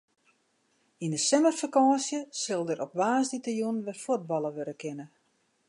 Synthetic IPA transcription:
indəsɛmərfikɔsjəsɪlˠdəɾʔɔp̚ʋaːsditajunʋɛfut̚bɑlˠəʋøɾəkʰɪnə

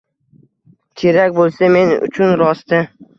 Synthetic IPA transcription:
t͡ʃʲʰeɾakʲbolˠsame̞nʊ̰t͡ʃʰʊnɾɒst̪ɪ

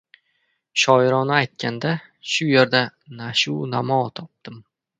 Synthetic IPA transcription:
ʃɒɪɾɒnɪajt̪̚kʲand̪a | ʃʊjeɾd̪anaʃʊwnamɒt̪ʰɒp̚d̪̥ɪm

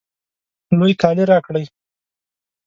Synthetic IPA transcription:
nujk̪ɑliɾɑkɽəj

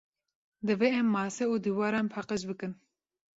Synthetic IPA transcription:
d̪ɨveɛmːɑːsɛuːd̪iwɑːɾɑːnpʰɑqəʃbɨkɨn

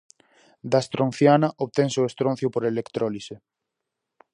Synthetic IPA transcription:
d̪ast̪ɾõn̟θjanaʔoβt̪eŋseoest̪ɾõn̟θjopoɾelekt̪ɾolise

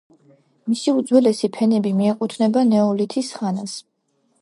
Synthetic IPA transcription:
misiud̪zwɛlɛsipʰɛnɛbimiɛqʼut̪ʰnɛbanɛɔlit̪ʰisχanas

